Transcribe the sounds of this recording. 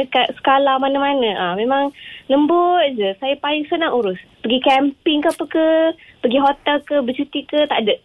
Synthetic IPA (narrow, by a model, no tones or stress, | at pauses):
kat̪̚sə̥kalahmanəmanə̃ʔamẽmaŋnəmbʊt̪̚d͡ʒəsajəpalɪŋsənaŋuɾʊspəɡikɛmpɪŋkapəkəpəɡiɦot̪ɛlkəbət͡ʃut̪ikət̪a̰ʔdəʔ